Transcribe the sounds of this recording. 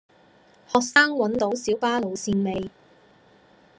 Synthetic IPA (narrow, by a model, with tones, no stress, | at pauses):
hɔː˨k̚saː˥ŋwɐ˨˥nt̪o˨˧˥wsiː˨˥wpaː˥lo˨˧wsiː˧nme˨j